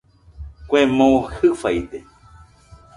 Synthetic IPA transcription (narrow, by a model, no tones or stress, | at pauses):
kʷemõuhɨfajt̪e